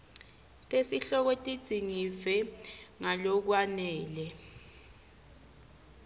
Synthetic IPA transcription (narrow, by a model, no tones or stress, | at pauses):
tʼesiɬɔk̬ɔtʼid̥z̥ʱiŋifɛŋalɔk̬wanɛːlɛ